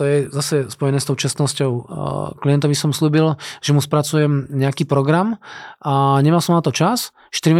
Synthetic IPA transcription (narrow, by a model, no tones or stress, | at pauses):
t̪ɔjɛzasɛspɔjɛnɛːst̪ɔʊt͡ʃast̪nɔscɔʊklijɛnt̪ɔʋisɔmslʎuːbilʒ̥ɛmuspɾat͡sujɛmɲɛakiːpɾɔɡɾamaɲɛmalsɔmnat̪ɔt͡ʃas | ʃt̪iɾim